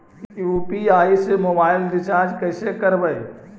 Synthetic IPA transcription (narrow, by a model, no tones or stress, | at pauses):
juːpiaːisemoːbaːɪld̪ɪt͡ʃaːd͡ʒkɐːsekɐɾbəe